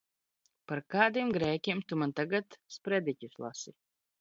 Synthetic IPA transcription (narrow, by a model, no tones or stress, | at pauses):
paɾkaːd̪imɡɾɛːkʲimt̪umant̪aɡat̪spɾɛd̪ʲicʲuslˠa̰si